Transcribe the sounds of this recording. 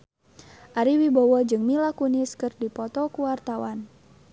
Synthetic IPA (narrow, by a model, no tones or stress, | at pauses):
ʔaɾiwibɔwɔd͡ʒɨŋmilakuniskɨrdipɔt̪ɔkuwart̪awan